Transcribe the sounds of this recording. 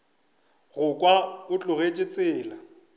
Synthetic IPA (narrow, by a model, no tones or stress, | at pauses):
ɣʊkʼwabʊt͡ɬʼʊɣet͡ʃʼɪt͡sʼɪːla